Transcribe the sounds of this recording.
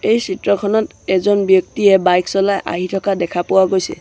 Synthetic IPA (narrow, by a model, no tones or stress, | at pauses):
ejsitɹɔkʰɔnɔt | ɛzɔnbjɔk̚tiɛbajksɔlajʔa̰ɦitʰɔkadɛkʰapʊwaɡojsɛ̰